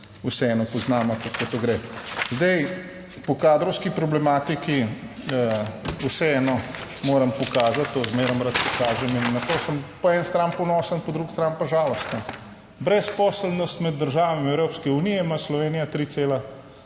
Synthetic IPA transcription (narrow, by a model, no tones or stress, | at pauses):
usɛɛːnɔpɔznaːmakakot̪oɡɾezd̪ɛj | pɔkaːd̪ɾɔwskipɾɔblɛmaːt̪iki | əusɛɛːnɔmoːɾɐmpɔkaːzat̪ːoːzmeːɾɐmɾat̪pɔkaːʒɛminːat̪oːsəmpɔɛnst̪ɾanpɔnɔːsənpɔd̪ɾukst̪ɾanpaʒaːlɔst̪nɔ | bɾɛspɔːsəlnɔst̪mɛd̪ːəɾʒaːʋamiɛwɾoːpskɛuːnijɛmaslɔʋeːnijat̪ɾiːseːla